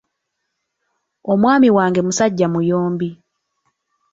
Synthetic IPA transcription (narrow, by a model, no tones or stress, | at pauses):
omwaːmiwaːŋɡe̞musaɟːamujoːmbi